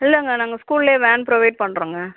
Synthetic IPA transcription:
ɪlːɐɪŋɡɐnaːŋɡɐskuːlɪleːʋɛːnpɾɔʋɐɪʈ̚pɐɳːɾuːŋɡɐ

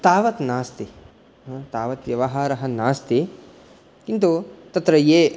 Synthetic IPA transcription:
t̪aːʋɐt̪naːst̪i | t̪aːʋɐt̪ʋjɐʋɐɦaːɾɐɦɐnaːst̪i | kint̪̬ut̪ɐt̪ɾɐjeː

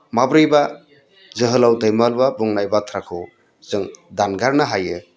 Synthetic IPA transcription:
mabɾɯjba | zɯɦɯlawdajmalbabuŋnajbat̪ʰɾakʰɯ | zɯŋdanɡaɾnaɦajɯ

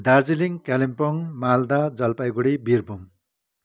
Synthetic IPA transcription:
d̪ard͡ziliŋkalimpʌŋmald̪ad͡zʌlpajɡuɽibirbʱum

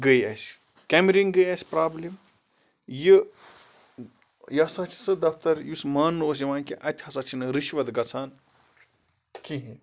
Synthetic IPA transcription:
ɡəjɐsʲ | kʲɛmɾiŋɡəjɐsʲpɾaːblim | jɨ | jɐsɐt͡ʃʰi̥sɨd̪ɐft̪ɐɾjusmaːnːoːs̬jiʋaːnʲkiʔɐt̪ʲʰhɐsɐt͡ʃʰinɨɾiʃʋɐt̪ɡɐt͡sʰaːn | kiɦĩ

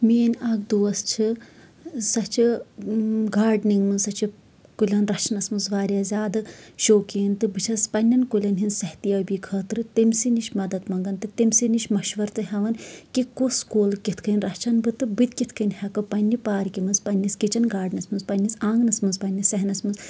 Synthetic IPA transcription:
meːnaːɡd̪uːɐst͡ʃʰɨ | sɐt͡ʃʰi | ɡaːɾɖniŋɡmɨnsɐt͡ʃʰi | kulʲɐnɾɐt͡ʃʰnɐsmɨnzʋaːɾʲjɐzʲaːd̪ɨʃoːkiːnt̪ɨbɨt͡ʃʰɐspɐnʲːɐnkulʲɐnɦinsɐht̪ijɐbiːkʰɐːt̪ɾɨt̪emsiniʃmɐd̪ɐt̪mɐŋɡɐnt̪ɨt̪emsiniʃʲmɐʃʋɐɾt̪ɨɦɐʋɐnkikuskuːlkit̪ʰkʰɨnʲɾɐt͡ʃʰɐnbɨt̪ɨbɨt̪ʲkit̪ʰkʰɨnʲhɐkɨpɐnʲːipaːɾkimɨnspɐnʲːiskit͡ʃɐnɡaːɾɖnɐsmɨnzpɐnʲːisaːŋɡnɐsmɨnzpɐnʲːisɐɦnɐsmɨnz

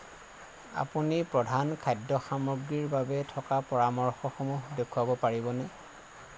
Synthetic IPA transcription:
a̰punipɹɔdʱankʰajdːɔxamɔɹɡɹiɹbabɛtʰɔkapɔɹamɔɹxɔxomuɦdekʰuwabɔpaɹibɔnɛ

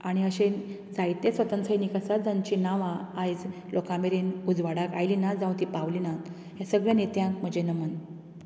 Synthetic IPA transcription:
aɽ̃iəɕẽ | d͡zajt̪esʋət̪ənsʰəjnikəsad͡zãɲt͡ɕinaʋãːjd͡z | lokãmeɾinud͡zʋaɽaka̰jlinad͡zãw̃t̪ipaʋlina | ɦjãsəɡɭjãnet̪jãk̚m̤əd͡ʑenəmən

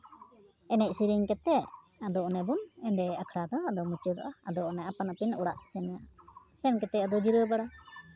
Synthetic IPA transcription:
ɛnɛc̚siɾiŋkɛt̪ɛʔ | ad̪ɔʔnɛbunɛɳɖɛakʰɽad̪ɔad̪ɔmut͡ʃəd̪ɔ̰ʔaad̪ɔʔnɛapanapinɔɽaʔsɛnɛja | sɛnkɛt̪ɛʔad̪ɔd͡ʒiɾəbaɽa

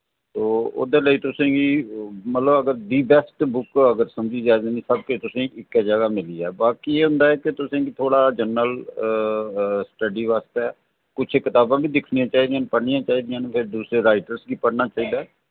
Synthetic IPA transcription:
t̪oːo̰d̪eːləiːt̪ʊsẽːɡiːmət̪ləbəɡəɾɖiːbɛsʈbʊkəɡəɾsəmd͡ʒiːd͡ʒaːed̪eːnĩːsəb̚ket̪ʊsẽːʔɪkːɛd͡ʒəɡaːmɪliːɛ̰ːbaːkiːeːɦʊ̃nd̪aːɛːket̪ʊsẽːɡiːt̪ʰoːɽaːd͡ʒənəl | sʈəɖiːʋaːst̪eɛː | kʊt͡ʃʰekɪt̪aːbãːbiːd̪ɪkʰnijãːt͡ʃaːɦiːd̪ijãːnpəɽnɪjãːt͡ʃaːiːd̪ɪjãːnpʰɪɾd̪uːsɾeːɾaːɪʈəɾsɡiːpəɽnaːt͡ʃaːiːd̪aːɛː

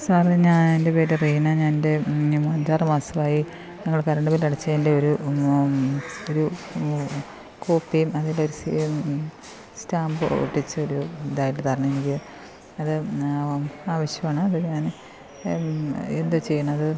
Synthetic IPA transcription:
saːrɲaːnde̞peːɾeriːnaɲaːnnde̞mɐɲd͡ʑaːrɨmaːsɐmaːji | nɐŋːɐɭkɐɾɐɳɖɐmilɐɽɐt͡ɕːɐðinde̞o̞ɾu | oɾu | koːpːijumɐðilːeo̞ɾusi | staːmbɨo̰ːʈːit͡ɕːɨo̞ɾud̪aːjɐʈːɨt̪ɐrɐɲːuenikʲːi | ɐðɨ | aːʋɐɕjɐmaːɳɨɐðɨɲaːn | e̞nd̪ut͡ɕe̞jːɐɳɐðɨ

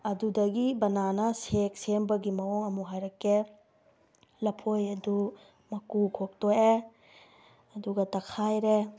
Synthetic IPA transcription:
ɐdudɐɡibɐnanɐsek̚sembɐɡimɐoŋɐmuɦajɾɐke | lɐpʰojɐdu | mɐkukʰok̚toje | ɐduɡɐtɐkʰajɾe

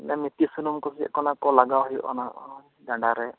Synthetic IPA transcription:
nɛmit̪isunumkusiɛ̰kɔnakɔlaɡaɦijʔɔ̰naʔɔ | dãdaɾɛ

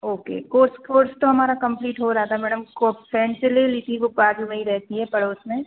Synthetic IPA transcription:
oːkḛːkoːɾskoːɾst̪oɦɐmaːɾakɐ̃mpliːʈɦoɾaat̪ʰamɛːɽəmkopʰɾɛ̃ːɳɖseleliːt̪iʋopaːɖlmẽĩɾɛɦt̪iɦɛːpɐɽoːsmẽ

